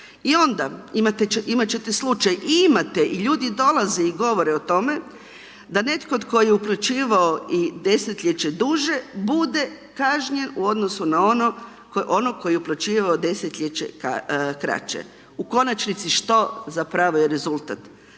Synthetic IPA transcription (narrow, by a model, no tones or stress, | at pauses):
io̞nd̪aimat̪eimat͡ɕe̞t̪eslˠut͡ʃajʔiimat̪eʔiʎuːd̪id̪o̞lazeiɡo̞ʋo̞ɾeot̪o̞me̞ | d̪ane̞t̪kod̪ko̞jijeuplut͡ʃiːʋaoid̪e̞set̪ʎʲet͡ʃed̪uʒe̞bud̪e̞ | kaʒɲe̞nuo̞d̪no̞sunaono | o̞noko̞jeuplʲˠut͡ʃiːʋaod̪e̞set̪ʎʲet͡ɕḛka̰kɾa̰t͡ʃḛ | uko̞nat͡ʃnit̪siʃt̪o̞zapɾaʋojeɾe̞zulˠt̪at̪